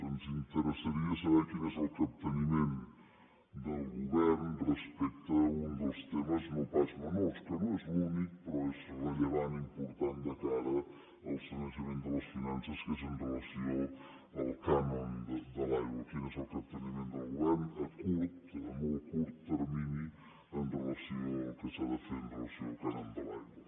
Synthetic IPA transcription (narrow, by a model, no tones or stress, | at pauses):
ənzint̪əɾəsəɾiəsəβɛɾkinɛzəlˠkəp̚t̪ənimen | d̪əlˠɡuβɛɾnrəspɛk̚t̪əund̪əlˠst̪ɛməznowpat͡ʃmənɔskənõɛzlunik̚pəɾɔɛzrəʎəβanimpuɾt̪and̪əkaɾə | əlˠfinənsəmẽnt̪̚d̪ələsfinansəskezənrələsio | əlˠkanənd̪əd̪əlajɣwəkinɛsəlˠkət̪ənimẽnt̪d̪əlˠɣuβɛɾnɛkuɾt̪əmɔkuɾt̪ːəɾmini | ənrələsiokəsaðəfeɾənrələsiokanənd̪əlajɡwə